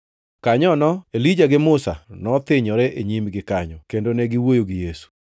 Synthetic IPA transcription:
kaɲɔnɔelid͡ʒaɡɪmʊsa̰nɔt̪ɪɲɔɾɛʔeɲimɡɪkaɲɔkendonɛɡɪwojoɡɪjesu̥

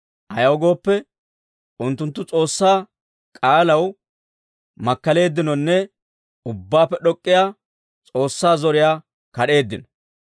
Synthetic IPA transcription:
hɐjɐwɡo̞ːpːɛ | ʔʊnt̪ːʊnt̪ːʊt͡sʼo̞ːsːaː | kʼaːlɐw | mɐkːɐle̞ːd̪ːɪnɔnːɛ | ʊbːaːpːɛɗɔkʼːɪjaː | t͡sʼo̞ːsːaːzɔɾɪjaː | kɐɗe̞ːd̪ːɪnɔ̥

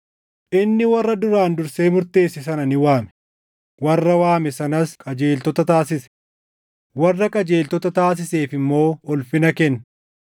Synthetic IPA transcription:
ʔɪnːɪwɐrːɐd̪ʊɾaːnd̪ʊɾse̞ːmʊɾt̪e̞ːsːɪsɐnɐnɪwaːmɛ̥ | wɐrːɐwaːmɛsɐnɐskʼɐd͡ʒe̞ːlt̪ɔt̪ɐt̪aːsɪsɛ̥ | wɐrːɐkʼɐd͡ʒe̞ːlt̪ɔt̪ɐt̪aːs̬ɪse̞ːfɪmːo̞ːɔlfɪnɐkɛnːɐ

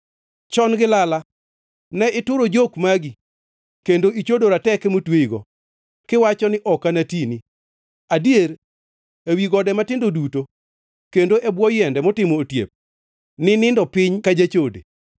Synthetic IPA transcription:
t͡ʃɔnɡɪlala | nɛɪtʊɾod͡ʒokmaɡi | kendoit͡ʃodoɾatɛkɛmotweiɡɔ̰ | kɪwat͡ʃɔnɪʔɔkanatini | adjeɾ | ewiɡɔdɛmatɪndoduto | kendoʔɛbwɔjɛndɛmɔtɪmoːtjḛp̚ | nɪnɪndɔpɪɲkad͡ʒat͡ʃodḛ

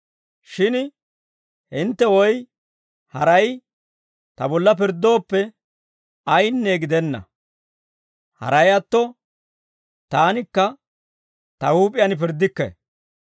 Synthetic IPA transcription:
ʃɪn | hɪnt̪ːɛwɔj | hɐɾɐj | t̪ɐbɔlːɐp̬ɪɾd̪o̞ːpːɛ | ɐjnːe̞ːɡɪd̪ɛnːɐ̰ | hɐ̰ɾɐjɐt̪ːɔ | t̪aːnɪkːɐ | t̪ɐhuːpʼɪjɐnp̬ɪɾd̪ːɪkːɛ̰

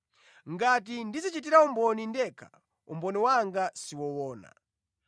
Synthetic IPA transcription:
ŋɡatindizit͡ʃit̬iɾaumbɔnindɛkʰa̰ | ṵmbɔniwaŋɡasiwɔwɔːna̰

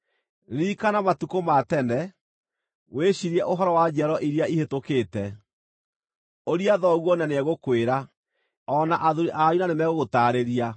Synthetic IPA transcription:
ɾiːkanamatukomatɛnɛ | weɕiɾɛʔoɦɔɾɔwad͡ʒɛɾɔʔiɾiaihetokeːtɛ | oɾiaðɔɣwɔnaneɛɣokweɾa | ɔnaʔaðuɾeʔajunanemɛɣoɣotaːɾeɾia

